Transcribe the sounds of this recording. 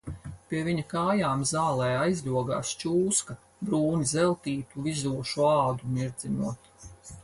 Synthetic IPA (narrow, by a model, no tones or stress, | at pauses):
pʲiɛviɲɐkaːjaːmzaːlˠɛːajzʲlʲuɔɡa̰ːst͡ʃuːskɐ | bɾuːnizɛlˠt̪iːt̪uvizuɔʃuaːd̪umiɾd̪zinuɔt̪